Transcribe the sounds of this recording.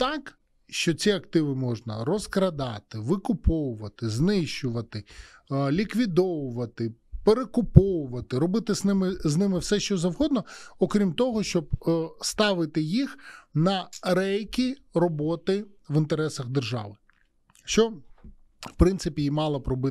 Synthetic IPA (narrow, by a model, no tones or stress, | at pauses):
t̪ɑk | ʃt͡ʃɔt͡sʲiɐk̚t̪ɪʋɪmɔʒnɐɾɔskɾɐd̪ɑt̪ɪʋɪkʊpɔwʊʋɐt̪ɪznɪʃt͡ʃʊʋɐt̪ɪlʲikʋʲid̪ɔʋʊʋɐt̪ɪpeɾekʊpɔʋʊʋɐt̪ɪɾɔbɪt̪ɪznɪmɪznɪmɪwsɛʃt͡ʃɔzɐwɦɔd̪nɔɔkɾʲimt̪ɔɦɔʃt͡ʃɔb̚st̪ɑʋɪt̪ɪjixnɐɾɛjkʲiɾɔbɔt̪ɪʋɪnt̪eɾɛsɐɣd̪erʒɑ̰ʋɪ | ʃt͡ʃɔ | fpɾɪnsɪpʲijimɑlˠɐpɾɔbɪ